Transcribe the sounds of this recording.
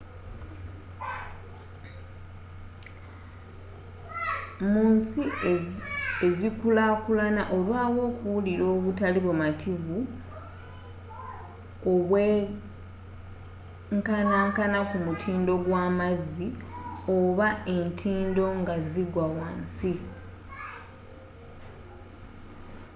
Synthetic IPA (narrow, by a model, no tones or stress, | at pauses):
muːnsi | e̞zikulakulanaʔolwaːβwo̞ːkuwuliɾo̞ːβutaliβomatʰivu | oβwe | ŋkanaŋkanakumutʰiːndo̞ɡwaːmazioβae̞ntʰiːndo̞ŋɡaziɡwawaːnsi